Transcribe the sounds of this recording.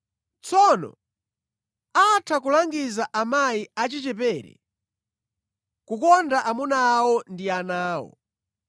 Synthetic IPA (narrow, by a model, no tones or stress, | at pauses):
t͡sɔnɔ̰ | atʰakulaŋɡizaʔamajiat͡ʃit͡ʃɛpɛɾɛ̰ | kukɔndaʔamunaːwɔndianaːwɔ̰